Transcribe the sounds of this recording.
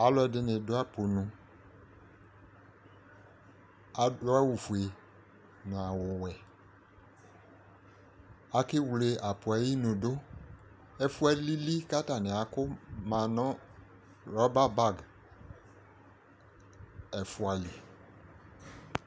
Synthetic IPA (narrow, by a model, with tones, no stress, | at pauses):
a˨˦lɔ˦ɛ˨dɪ˨nɪ̃˨dʊ˦a˦po˨nʊ̃˨ | a˨dɔ˦a˦wu˨fu˨e˨ | nʊ̃˨a˨wʊ˨wɛ˨ | a˦kɪ˦wle˨ʔa˨pʊ˨a˨ji˦nʊ̃˨do˦ | ɛ˨fu˦a˦li˦li˦ka˦ta˨nɪ̃˨a˨kʊ˦mã˨nɔ̃˦ | ɾɔ˦ba˦ba˦˨ɡ | ɛ˨fʊ˦a˨li˨